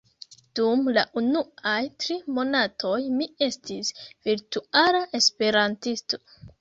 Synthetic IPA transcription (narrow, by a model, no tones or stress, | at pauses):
d̥umlaʔunuajtɾimo̞natʰo̞jmie̞stisviɾtualaʔe̞spe̞ɾantisto̞̥